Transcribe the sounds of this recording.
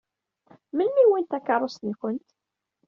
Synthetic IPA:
mənmiwint̪ækːɑɾrˤːost̪nkʷənt̪

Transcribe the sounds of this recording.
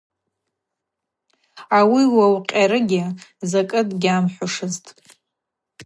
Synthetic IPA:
awiwawqʲʼaɾɨɡʲɪzakʼɨdʼɡʲamħʷaʂɨztʼ

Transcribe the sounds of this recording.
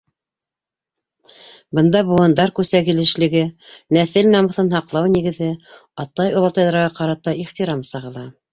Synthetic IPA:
bɤ̆nd̪ɑbuwɑnd̪ɑɾkʉsækilɘ̆ʃlɘ̆ɡɘnæθɘlnɑmɤ̆θɤnhɑqlˠɑwniɡɘ̆ðɘ | ɑt̪ɑjŏlˠɑt̪ɑjðɑɾʁɑqɑɾɑt̪ɑiχt̪iɾɑmsɤʁɤ̆lˠɑ

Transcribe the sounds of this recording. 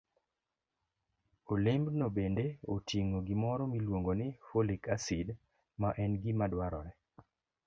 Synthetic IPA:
olembnobendeotiŋoɡɪmɔɾɔmilwoŋɡonɪfolikasid | maʔɛnɡɪmadwaɾɔ̰ɾɛ

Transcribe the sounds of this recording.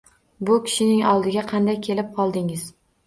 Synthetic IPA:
bʊkʲʰɪ̥ʃɪnɪŋɒlˠd̪ɪɡʲaqʰɑnd̪ajkʲʰe̞lɪp̚qʰɒlˠd̪ɪŋɪz̥

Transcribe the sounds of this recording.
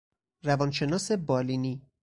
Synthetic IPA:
ɾævɒnʃe̞nɒːse̞bɒːliniː

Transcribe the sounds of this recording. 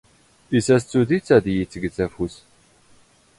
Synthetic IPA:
isæst͡sːuðit͡sːæðjit͡sːəɡt͡sːæfus

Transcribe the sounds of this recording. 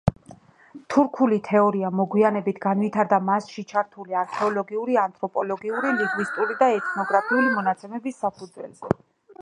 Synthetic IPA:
t̪ʰuɾkʰulit̪ʰɛɔɾiamɔɡwianɛbit̪ʰɡanvit̪ʰaɾd̪amasʃit͡ʃʰaɾt̪ʰuliaɾkʰɛɔlɔɡiuɾiant̪ʰʼɾɔpʼɔlɔɡiuɾiliŋɡvist̪ʼulid̪aɛt̪ʰnɔɡɾapʰiulimɔnat̪sʰɛmɛbisːapʰud̪zwɛ̰lzɛ

